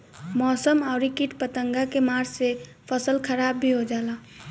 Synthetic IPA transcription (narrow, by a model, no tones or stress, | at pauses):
mɔːsəmaʊɾikiʈpət̪əŋɡakemaɾd͡ʒse | pʰəsəlkʰəɾaːbːʱiɦod͡ʒaːla